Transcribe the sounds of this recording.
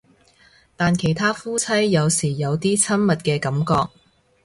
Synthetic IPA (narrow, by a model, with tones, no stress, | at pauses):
t̪aː˨nkʰe˨˩jt̪ʰaː˥fuː˥t͡sʰɐ˥jːɐ˨˧wsiː˨˩jɐ˨˧wt̪iː˥t͡sʰɐ˥nmɐ˨t̚kɛː˧kɐ˨˥mkɔː˧k̚